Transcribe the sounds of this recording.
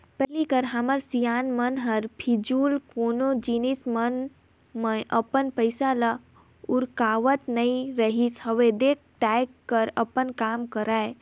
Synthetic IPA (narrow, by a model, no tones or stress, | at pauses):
pɛɦlikəɾɦaməɾsijaːnmənɦəɾpʰid͡ʒuːlkoːnod͡ʒinismən | mə̃ʔəpənpəɪsala | ʊɾkaːʋət̪nəĩɾəɦishəʋed̪eːk̚ʰʈ̪akːəɾəpənkaːmkəɾaːe